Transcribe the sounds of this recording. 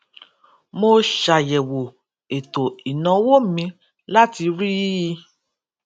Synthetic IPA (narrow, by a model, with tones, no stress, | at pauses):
mo˧ʃa˨jɛ˨wo˨ | e˨to˨i˨nã˨˦wo˦mĩ˧ | la˦ti˧ɾi˦˧˦